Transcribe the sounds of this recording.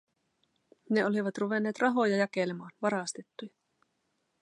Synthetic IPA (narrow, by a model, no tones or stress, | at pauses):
ne̞o̞liʋɑt̪ruʋe̞nːe̞ːt̪rɑɦo̞jɑjɑke̞lemɑːnʋɑɾɑst̪et̪ːujɑ